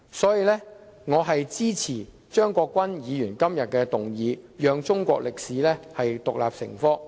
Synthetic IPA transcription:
sɔː˨˥jiː˨˧lɛː˥ŋɔː˨˧ɦɐ˨jt͡siː˥t͡sʰiː˨˩ | t͡ʃœː˥ŋkʷɔː˧kʷːwɐ˥njiː˨˧jyː˨˩nkɐ˥mjɐ˨t̚kɛː˧t̪ʊ˨ŋjiː˨˧jœː˨˧ŋt͡ʃʊ˥ŋkʷɔ̰ː˧k̚lɪ˨k̚siː˨˥lɛː˥hɐ˨jt̪ʊ˨k̚la̰ː˨p̚sɪ̰˨˩ŋfɔː˥

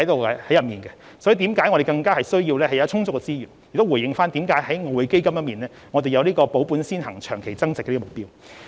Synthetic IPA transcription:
ɐ˨˥jt̪o˨˧wɛ˧hɐ˨˥jɐ˨˩miː˨nkɛ˧ | sɔː˨˦˥i˨˩t̪iː˨˥mkaː˨˥jŋɔː˨˧ɾe˨˩kɐ˧ŋkaː˥hɐ˨jsɵ˥ɥjiː˧wlɛː˥hɐ˩jɐ˧˥t͡ʃʰʊ˥ŋt͡sʊ˥kːɛ˧t͡siː˥jy̰ː˨˩njɪ˨k̚t̪wuː˨˩jɪ˨˧ŋfaː˥nt̪iː˨˥mkaː˨˥jɦɐ˨˥jŋɔː˧we˨˧jke˥jkɐ˥mjɐ˥t̚miː˨nlɛː˥ | ŋɔ˨˧e˨jɐ˧wliː˥kɔː˧po˨˥wpuː˨˥nsiː˥nhɐ˨˩ŋt͡ʃʰœː˨˩ŋkʰe˨˩jt͡sɐ˥ŋt͡sɪ˨kːɛ˧liː˥ɔ˧˨ʊ˨k̚piː˥w

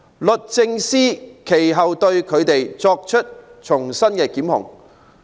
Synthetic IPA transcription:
lɵ˨˩t̚t͡sɪ˧ŋsiː˥kʰe˨˩jɦɐ˨wt̪ɵ˧ɥkʰɵ˨˧ɥt̪e˨jt͡sɔː˧k̚t͡ʃʰɵ˥t̚t͡ʃʰʊ˨˩ŋsɐ˥nkɛː˧kiː˨˥mhʊ̰˨˩ŋ

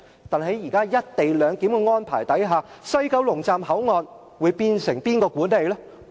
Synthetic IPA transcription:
t̪aː˨nɦe˨˥jiː˨˩kaː˥jɐ˥t̚t̪e˨jlœː˨˧ŋkiː˨˥mkɔ˧ŋɔː˥npʰaː˨˩jt̪ɐ˨˥jɦaː˨sɵ˥˧ɥkɐ˧wlʊ˨˩ŋt͡saː˨mɦɐ˨˥wŋɔː˨˧n | wuː˨˧jpiː˧nsɪ˨˩ŋpiː˥nkɔː˧kuː˨˥ne˨jlɛː˥

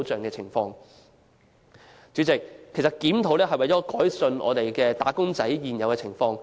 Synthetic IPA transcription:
t͡sœː˨ŋkɛː˧t͡sʰɪ˨˩ŋfɔː˧ŋ | t͡syː˨˥t͡sɪ˨k̚ʰːsɐ˨t̚kiː˨˥mt̪ʰo˨˥wlɛː˥ɦɐ˨jwɐ˨jt͡sɔː˨˥kɔː˨˥jsɵ˧nʔɔ̰ː˨˧t̪e˨jkɛː˧t̪aː˨˥kʊ˥ŋt͡sɐ˨˥jjiː˨njɐ˨˧wkɛː˧t͡sʰɪ˨˩ŋfɔː˧ŋ

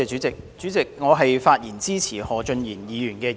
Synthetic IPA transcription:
ɛ˧yː˨˥t͡sɪ˨k̚t͡ʃyː˨˥t͡sɪ˨k̚ŋɔː˨˧ɦɐ˨jfaː˧t̚jiː˨˩nt͡siː˥t͡sʰiː˨˩hɔː˨t͡ʃɵ˧njiː˨˩njiː˨˧jyː˨˩nkɛː˧

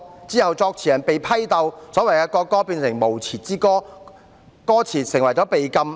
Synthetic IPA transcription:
t͡siː˥hɐ˨wt͡sɔː˧k̚t͡sʰiː˨˩jɐ˨˩npe˨jpʰɐ˥jt̪ɐ˧wsɔː˨˥wɐ˨˩jkɛː˧kɔː˧kːɔː˥piː˧nsɪ˨˩ŋmo˨˩wt͡sʰiː˨˩t͡siː˥kɔː˥ | kɔː˥t͡sʰiː˨˩sɪ˨˩ŋwɐ˨˩jt͡sɔ˨˥pe˨jkɐ˥m

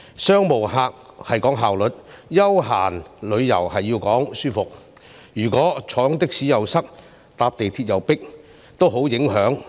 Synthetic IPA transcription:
sœː˥ŋmo˨˩wɦaː˨˧k̚hɐ˨jkɔː˨˥ŋɦaː˨wlɵ˨t̚jɐ˥wɦa̰ː˨˩nlɵ˨˧ɥjɐ̰˨˩whɐ˨jːiː˧wkɔː˨˥ŋsyː˥fʊ˨k̚ | jyː˨˩kɔː˨˥t͡sʰɔː˨˥ŋt̪ɪ˥k̚siː˨˥jɐ˨˩wsɐ˥k̚ | t̪aː˧p̚t̪e˨jt̪ʰiː˧t̚jɐ˨˩wpɪ˥k̚ | t̪o˥wɦo˨˥wjɪ˨˥ŋɦœː˨˥ŋ

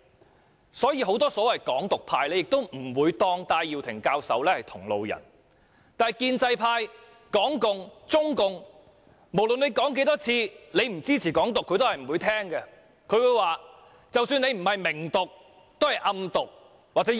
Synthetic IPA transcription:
sɔː˨˥jiː˨˧ɦo˨˥wt̪ɔː˥sɔː˨˥wɐ˨jkɔː˨˥ŋt̪ʊ˨k̚pʰaː˧jlɛ˥˧jɪ˨k̚t̪o˥wm̩˨˩wuː˨˧jt̪ɔː˧ŋt̪aː˧jːiː˨wt̪ʰɪ˨˩ŋkaː˧wsɐ˨˥wlɛː˥hɐ˨jt̪ʰʊ˨˩ŋlo̰˨˧wjɐ̰˨˩n | t̪aː˨nɐ˨jkiː˧nt͡sɐ˧jpʰaː˧j | kɔː˨˥ŋkʊ˨ŋt͡sʊ˥ŋkʊ˨ŋ | mo˨˩wlɵ˨ne˨˧jkɔː˨˥ŋk̬e˨˥t̪ɔː˥t͡sʰiː˧le˨˧jm̩˨˩t͡siː˥t͡sʰiː˨˩kɔː˨˥ŋt̪ʊ˨kʰːɵ˧t̪o˥whɐ˨jm̩˨˩wuː˨˧jt̪ʰɛː˥ŋkɛ˧ | kʰɵ˨˧ɥwu˨˧jwaː˨˩ | t͡sɐ˨wsyː˧nle˧jm̩˨˩hɐ˨jmɪ˨˩ŋt̪ʊ˨k̚ | t̪whɐ˨jʔɐ˧mt̪ʊ˨k̚ | waː˨k̚t͡sɛ˨˦˥

